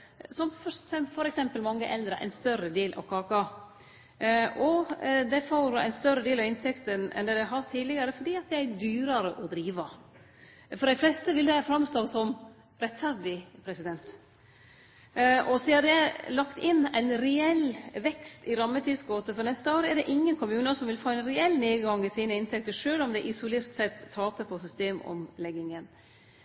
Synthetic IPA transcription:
sɔmfsɛfɔɾɛksɛmpəlmɑŋːəʔɛld̪ɾəʔæ̰ɪnst̪œɾəd̪eːlʔɑ̰ʋkʰɑːkɑ | ʔɔd̪ɛfoːɾæ̰ɪnst̪œɾəd̪eːlɑʋɪnt̪ʰɛkt̪ənɛ̰nd̪ɛd̪ɛɪɦɑɾʈ̪ʰiːd̪lɪɡəɾəfɔɖiːɑt̪̚d̪ææd̪yːɾəɾəʔɔd̪ɾiːʋɑ | fɔɾɖæɪflɛst̪əʋɪld̪æfɾɑmst̪oːsɔm | ɾɛt̪ːfæɾɖɪpʰɾɛsɪd̪ɛnt̪ | ʔɔseːəd̪ɛlɑkt̪ɪnːæ̰ɪnɾɛɛlʋɛkst̪ɪɾɑmːət̪ʰiːsɡoːt̪əfɔɾnɛst̪əoːɾəɛɾɖ̪ɛʔɪŋːənkʊmʉːnəsɔmʋɪlfoːæɪnɾɛɛlːneːɡɑŋɪsiːnəɪnt̪ʰɛkt̪əʂøːlɔmd̪ɛʔɪsʊleːɾt̪sɛt̪ʰːɑːpəpʰɔsʏst̪eːmɔ̰mlɛɡːɪŋən

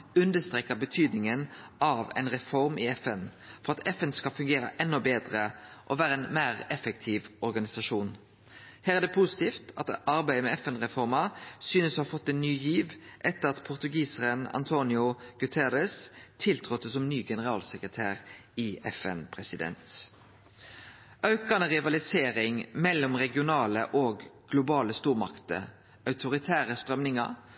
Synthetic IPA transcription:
ʉnd̪əst̪ɾeːkəbət̪ʰyːd̪nɪŋənɑʋɛ̰ɪnɾɛfɔɾmʔɪɛfɛnfɔɾɑt̪ʰɛfɛnskɑlfʉŋɡeːɾəʔɛnːɔbeːd̪ɾəʔɔʋæːɾəɛɪnmæːʁɛfɛk̚t̪ʰiːʋɔɾɡɑnɪsɑʂuːn | hæːɾæd̪ɛpʰusɪ̥t̪iːft̪ɑt̪ɑɾbæɪəmɛɛfɛnʁɛfɔɾmɑsyːnəsɔhɑɾfɔt̪ːɛnːyːjiːʋʔɛt̪ːəʁɑt̪pʰʊʁt̪ʉɡiːsəʁənɑ̰nt̪ʰoːnɪʊɡ̥ʉt̪ʰɛɾɛst̪ʰɪlt̪ʰʁɔt̪ːəsɔmnyːɡɛnəʁɑːlsəkʁət̪ʰæːʁɪɛ̰fɛ̰npʰʁɛsɪd̪ɛ̰nt̪ | ʔɑʉkɑnəʁɪʋɑlɪseːɾɪŋmɛlːɔmʁɛɡɪʊnɑːlə̰ʔɔɡɡlʊbɑːləst̪uːʁmɑ̰kt̪ə̰ | ʔɑʉt̪ʰʊɾɪt̪ʰæːʁəst̪ʁœmnɪŋɑ̰ɾ

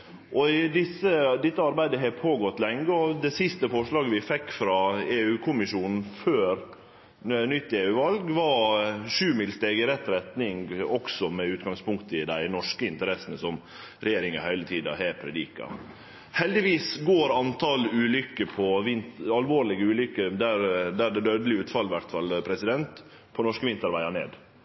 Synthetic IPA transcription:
ʔɔd̪ɪsəd̪ɪt̪ːəɑɾbæɪd̪əɦɛpʰoːɡɔt̪ːlɛŋːəɔd̪ɛsɪst̪əfɔʂɭɑːɡəʋɪfɛkːfɾɑeːʉːkʰʊmɪʂuːnn̩føːɾ | nʏt̪ːeːʉːʋɑlɡʋɑʂʉːmɪlst̪eːɡəɾɛt̪ːɾɛt̪nɪŋɡɔksɔmɛʉːt̪ɡɑŋspʰʊŋkt̪əɪd̪æɪnɔʂkəɪnt̪əɾɛsənəsɔm | ɾɛjeːɾɪŋɑhœʏlət̪ʰiːd̪ɑ̰heːɾpʰɾɛd̪iːkɑ̰ | hɛld̪ɪʋiːsɡoːɾɑnt̪ʰɑlʉːlʏkːəpʰɔʋɪnt̪ɑlʋoːɾlɪɡəʉːlʏkːəd̪æɾd̪æɖ̪ɛd̪øːd̪əlɪʉːt̪fɑlːʋæɾt̪fɑlpʰɾɛsɪd̪ɛnt̪ | pʰɔnɔʂkəʋɪnt̪ɑɾʋæɪɑɳḛːd̪

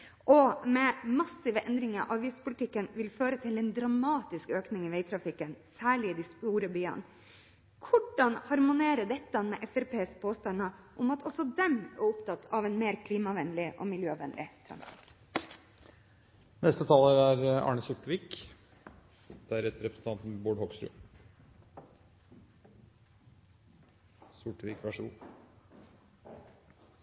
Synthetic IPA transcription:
ʔɔmɛmɑsɪʋəʔɛnd̪ɾɪŋəɾʔɑʋiːspʊlɪt̪ʰɪkːənʋɪlføːɾət̪ʰɪlɛnd̪ɾɑmɑːt̪ɪskøːknɪŋɪʋeɪt̪ʰɾɑfɪkːənsæːɭɪɪd̪ɪst̪uːɾəbyːə̰n | kʰʊɖɑnhɑɾmʊneːɾəɖ̪ɛt̪ːɑmɛʔɛfɛɾpeːspʰoːst̪ɑnːəʔʊmɑt̪ɔsɔd̪ɛmæ̰ɾʊpt̪ɑt̪ːʰɑʋɛnmeːɾkʰliːmɑʋɛnlɪʔɔ̰mɪljøːʋɛ̰nlʔɪ̰t̪ʰɾɑ̰n̰ | nɛst̪ət̪ʰɑːləɾæɾɑ̰ːɳəsʊʈːʋiːk | d̪̥ɛæɾɛt̪ːɾɛpɾəsən̩t̪ɑnt̪n̩boːɖhɔɡst̪ɾʉ̰ː | sʊʈːʋiːkʋæʂṵː

